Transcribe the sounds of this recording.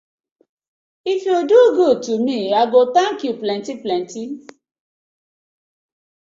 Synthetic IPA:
ifioduoɡotumĩaɡotãŋ̩kiuplɛ̃ntiplɛ̃nti

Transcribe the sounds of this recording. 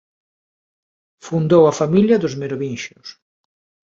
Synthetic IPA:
fund̪owɐfamiljɐðʊzmeɾoβinʃʊs

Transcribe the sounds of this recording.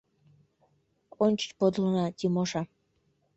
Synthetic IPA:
onʲt͡ɕə̥̆t͡ɕpod̪lnɑt̪ʲimoʃɑ

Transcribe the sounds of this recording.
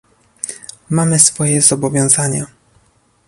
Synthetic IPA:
mamɘsfɔjɛzɔbɔvʲjɔ̃w̃zaɲa

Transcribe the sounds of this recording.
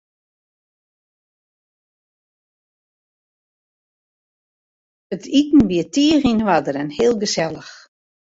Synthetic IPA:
ətʰitn̩ʋiətiərinəʋadəɾɛnhɪəlˠɡəsɛlˠəx

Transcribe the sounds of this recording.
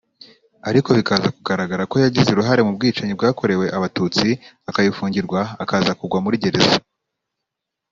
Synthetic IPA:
aɾiko̞βikazakuɡaɾaɡaɾako̞jaɟizeɾuɦaɾe̞mub̚ɡiːt͡ʃaɲib̚ɡaːko̞ɾe̞we̞ʔaβatut͡siakajifuːɲɟiɾɡwaːkaːzakuɡwamuɾiɟe̞ɾe̞za

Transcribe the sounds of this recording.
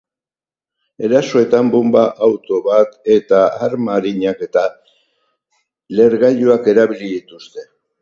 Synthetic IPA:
e̞ɾaso̞e̞t̪ambumbaʔawt̪o̞βat̪e̞t̪aaɾmaɾiɲake̞t̪a | le̞ɾɣaʎuake̞ɾaβiliðit̪ust̪e̞

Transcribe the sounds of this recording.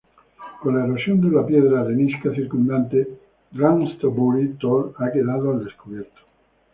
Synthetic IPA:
konlaeɾosjond̪elːapjɛd̪ɾaremiskat͡ʃirkund̪ant̪e | d̪ɾanst̪obuɾit̪olaɡed̪aːt̪oald̪eskopɛrt̪o̥

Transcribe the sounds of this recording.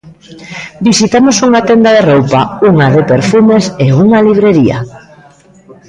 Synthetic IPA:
bisit̪amosuŋat̪end̪aðerowpauŋaðepeɾfumeseuŋaliβ̞ɾeɾia̰

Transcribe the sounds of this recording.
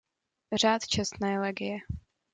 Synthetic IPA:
r̝aːt̪t͡ʃɛst̪nɛːlɛɡɪjɛ

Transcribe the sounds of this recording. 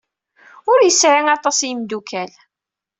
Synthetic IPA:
ʊɾjəsʕaŋɑt̪ˤɑsjimd̪ukʰæl

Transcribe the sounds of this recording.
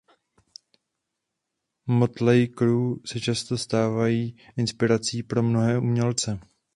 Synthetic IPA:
mo̞t̪lɛjkɾuːsɛt͡ʃast̪o̞st̪aːvajiːʔɪnspɪɾat͡siːpɾo̞mno̞ɦɛːʔuːmɲɛlt͡sɛ

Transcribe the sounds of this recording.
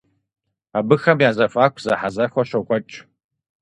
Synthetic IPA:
abɨxɐmjaːzɐfʼaːkʷʰzɐħazɐxʷɐɕʷɐkʷʼɐt͡ʃʼ

